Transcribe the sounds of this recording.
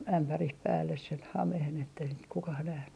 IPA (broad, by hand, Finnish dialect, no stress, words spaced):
æmpærih pæːlːes sen hɑmehen etːei sit kukɑh næhny